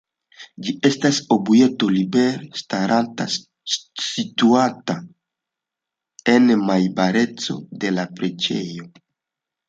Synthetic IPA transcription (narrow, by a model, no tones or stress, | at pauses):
d͡ʒiʔe̞staso̞buje̞to̞libe̞ɾestaɾanta̰ | situata | e̞nmajbaɾe̞t͡so̞̰de̞lapɾe̞d͡ʒe̞̰jo̞